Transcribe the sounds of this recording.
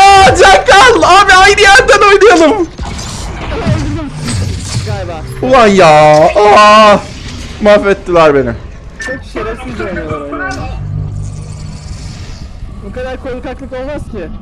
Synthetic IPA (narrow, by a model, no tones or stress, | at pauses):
ad͡ʒakːalamɛajnɯjæɾd̪ænojnajalˠɯm | ɡajbaulˠanjaːa | mafet̪ːilʲæɾbe̞nḭ | t͡ʃʰoʃeɾei | bukad̪aɾkolukaklˠɯkolˠmascɪ